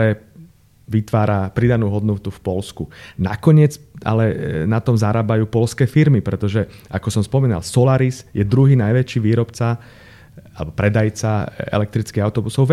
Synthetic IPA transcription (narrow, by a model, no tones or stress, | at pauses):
ɛː | ʋit̪ʋaːɾapɾid̪anuːɦɔd̪nɔt̪ufpɔlskuna̰kɔɲɪɛd͡zʔa̰lɛnat̪ɔmzaɾaːbajuːpɔlskɛːfiɾmipɾɛt̪ɔʒɛ | ʔakɔsɔmspɔmiːna̰lsɔlaɾizjɛd̪ɾuɦiːnajʋɛt͡ʃiːʋiːɾɔpt͡sa | alɛbɔpɾɛd̪ajt͡saɛ̰lɛk̚t̪ɾit͡skiɣaʊt̪ɔbusɔʊʋ